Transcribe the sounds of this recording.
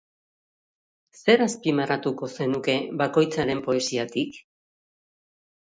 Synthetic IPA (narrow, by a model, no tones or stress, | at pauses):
se̞ɾaspimaɾat̪uko̞se̞nuke̞βako̞jt͡saɾe̞mpo̞e̞siat̪ik